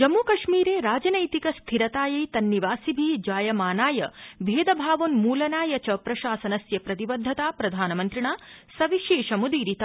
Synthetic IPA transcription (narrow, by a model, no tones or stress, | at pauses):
d͡ʒɐmːuːkɐʂmiːɾeːɾaːd͡ʒɐnɐjt̪ikɐst̪ʰiɾɐt̪aːjɐjt̪ɐnːiʋaːsibʱid͡ʒaːjɐmaːnaːjɐʋʱeːd̪ɐbʱaːʋonmuːlɐnaːjɐt͡ʃɐpɾɐʃaːsɐnɐsjɐpɾɐt̪ibɐd̪ʱːɐt̪aːpɾɐd̪ʱaːnɐmɐnt̪ɾiɳaːsɐʋiʃeːʃɐmud̪iːɾit̪a